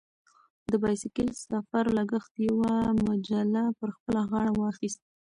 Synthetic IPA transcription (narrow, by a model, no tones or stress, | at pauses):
d̪əbɑjsɪkilsafaɾlaɡəxt̪jawamad͡ʒalapəɾxpəlaɣɑɳawɑxist̪̚